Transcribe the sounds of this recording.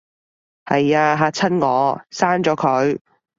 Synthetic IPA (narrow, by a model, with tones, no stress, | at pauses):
hɐ˨jaː˧ɦaː˨˧t͡sʰɐ˥nŋɔː˨˧saː˥nt͡sɔː˨˥kʰɵ˨˧ɥ